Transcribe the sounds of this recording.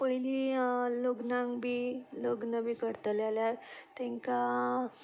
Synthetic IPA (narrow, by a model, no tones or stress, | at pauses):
pəɦililoɡnãŋɡbiːloɡnəbiːkəɾt̪əljaljaɾt̪ɛ̃ŋka